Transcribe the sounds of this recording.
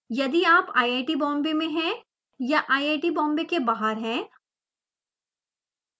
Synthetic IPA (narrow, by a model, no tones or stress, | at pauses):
jɐd̪iaːpaːieːʈibɔ̃ːmbemẽɦɛ̃ | jaʔaːieːʈibɔ̃ːmbekebaːɦəɾɦɛ̃ː